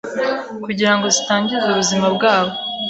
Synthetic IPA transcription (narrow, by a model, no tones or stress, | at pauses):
kuɟiɾaŋɡo̞zitaːɲɟizuβuzimabɡaːβo̞